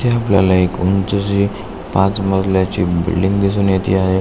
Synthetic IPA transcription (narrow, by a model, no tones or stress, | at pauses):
t̪ʰeaplja̰laekunt͡səd͡ʑi | pãt͡sməd͡z̪ljat͡ɕibḭlɖiŋɡb̪is̬uːnjet̪ʰḭaɦe